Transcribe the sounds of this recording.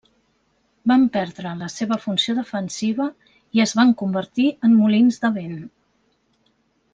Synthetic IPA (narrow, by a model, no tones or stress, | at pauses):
bampɛɾðɾələseβ̞əfunsioðəfənsiβə | iəzβaŋkumbəɾt̪iəmmulinzd̪əβen